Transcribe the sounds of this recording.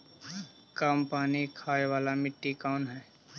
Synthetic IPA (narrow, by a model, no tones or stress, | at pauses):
kəmpaːnikʰaːeʋaːlamɪʈːikaːnɦɛː